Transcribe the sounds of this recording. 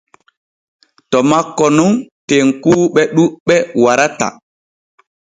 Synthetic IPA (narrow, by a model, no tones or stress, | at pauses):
tɔmakːɔnunteŋkuːɓɛɗuɓɛwaɾata̰